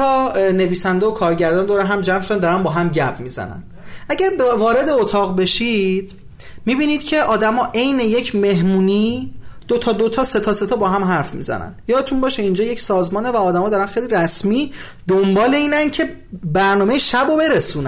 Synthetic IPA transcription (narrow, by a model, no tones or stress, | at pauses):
ɒːne̞viːsænd̪eokʰɒːɾɟæɾd̪ɒːnd̪oːɾæɦæmd͡ʒæmʃod̪ænd̪ɒɾænbɒːɦæmɟæpʰmiːzæ̰næ̰n | ʔæɟæɾbvɒːɾe̞d̪e̞ot̪ʰɒːɣbe̞ʃid̪̥ | mibiːniːd̪̥cʰe̞ʔɒːd̪æmɒːʔe̞jne̞je̞cʰme̞ɦmuːniːd̪̥ot̪ʰɒːd̪ot̪ʰɒːse̞t̪ʰɒːse̞t̪ʰɒːbɒːɦæmɦæɾfmḭzæ̰næ̰njɒːd̪et̪ʰunbɒːʃeind͡ʒɒːjecsɒːzmɒːnevæɒːd̪æmɒːd̪ɒːɾænxejliɾæsmiː | d̪ombɒːle̞iːnæncʰe̞ | bæɾnɒːmeeʃæbobe̞ɾesuːnæ